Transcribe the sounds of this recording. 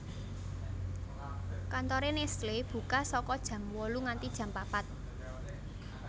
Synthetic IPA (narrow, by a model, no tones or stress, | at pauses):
kant̪ɔɾenesleb̥ṳkasɔkɔd̥ʒ̥ä̤mwɔluŋant̪id̥ʒ̥ä̤mpapat̪̚